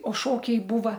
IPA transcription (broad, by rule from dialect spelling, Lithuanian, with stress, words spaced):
oː ˈʃoːkʲɛɪ ˈbuːʋɐ